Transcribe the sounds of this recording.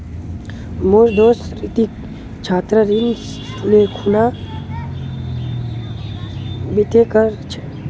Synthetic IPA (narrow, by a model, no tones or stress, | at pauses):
moɾd̪oːsɾit̪ik | t͡ʃʰaːt̪ɾəɾin | lekʰuna | bit̪ekəɾt͡ʃʰe̥